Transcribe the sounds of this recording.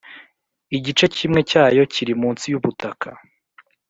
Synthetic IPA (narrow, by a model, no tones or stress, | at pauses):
iɟit͡ʃe̞cimŋe̞caːjo̞ciɾimuːnsijuβutakʰa